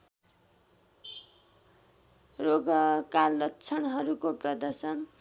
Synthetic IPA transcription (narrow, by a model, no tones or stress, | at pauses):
roɡʌkalːʌtːt͡sʰʌnɦʌɾukoprʌd̪ʌsʌn